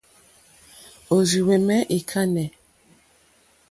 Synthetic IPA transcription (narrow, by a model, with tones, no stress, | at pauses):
o˨zi˨wɛ˨mɛ˦ʔi˨kʰa˦nɛ˨